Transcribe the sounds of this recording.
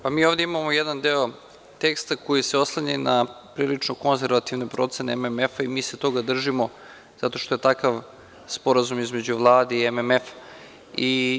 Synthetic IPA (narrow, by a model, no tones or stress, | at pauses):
pamiːo̞vd̪e̞imamojed̪and̪eo̞ | t̪e̞kst̪ako̞jise̞o̞slˠaɲenapɾiːlit͡ʂnoko̞nze̞ɾʋat̪iʋnepɾo̞t̪se̞neememefaimiːset̪o̞ɡad̪r̩ʒimo̞ | z̥at̪o̞ʃt̪o̞je̞t̪akaʋ | spo̞ɾazumizme̞d͡ʑuʋlˠaːd̪eiememefḁ | i